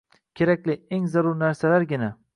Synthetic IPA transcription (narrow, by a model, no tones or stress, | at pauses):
kʲʰe̞ɾakʲlɪe̞ŋzaɾʊɾnaɾsalaɾɡʲɪna